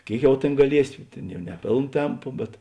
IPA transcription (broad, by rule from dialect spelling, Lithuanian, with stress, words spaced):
ˈkʲeːɪk ˈjɛʊ ˈtʲeːn ɡɐˈlʲiɛsʲɪ ˈtʲeːn ˈjɛʊ nʲɛ ˈpʲeːlˠn ˈtʲɛmpʊ bʲɛt